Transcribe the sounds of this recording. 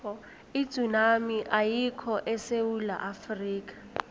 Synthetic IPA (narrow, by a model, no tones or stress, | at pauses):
ɔ | i̥z̥unamiʔajikʰɔʔɛseula̰ʔafriːkʼḁ